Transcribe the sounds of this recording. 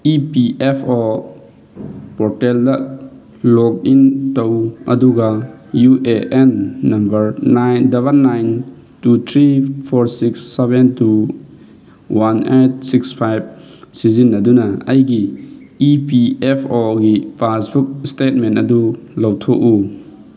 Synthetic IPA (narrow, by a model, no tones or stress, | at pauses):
ipiʔepʰo | pɔɾteldɐ | lɔk̚intɐwɐ̰duɡɐjuʔeʔenːɐmbɐɾnajndaβɐlːajn | tut̪ʰɾipʰoɾsiksːebentu | wanet̚sikspʰajb̚ | sizinːɐdunɐɐjɡiipiepʰoɡipʰasbuk̚stet̚mentɐdulɐwtʰo̰ku